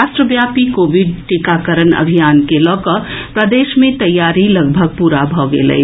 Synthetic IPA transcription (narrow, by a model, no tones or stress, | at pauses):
asʈɾəbjapikobiɖ̚ʈikakəɾənə̰bʱijankelɔkəpɾəd̪eʃmẽt̪əjaɾiləɡ̚bʱəɡ̚puɾabʱɔɡḛlə̰